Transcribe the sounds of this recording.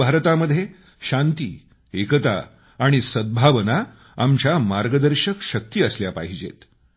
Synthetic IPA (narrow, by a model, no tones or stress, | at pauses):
aɾt̪aməd̪ʱːje | ɕant̪iː | ekət̪a̰ː | ɽ̃isəd̪̚bʱaʋəna | amt͡ɕjamaɾɡəd̪əɾɕəkɕək̚t̪iːəsljapa̰ɦid͡ʑḛt̪